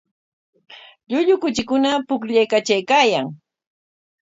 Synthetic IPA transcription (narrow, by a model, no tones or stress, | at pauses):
ʎʊʎʊkʊt͡ʃɪkʊnapʊkʎajkat͡ʃajkaːjaŋ